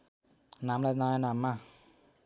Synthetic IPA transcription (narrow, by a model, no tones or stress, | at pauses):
namlanajanamːa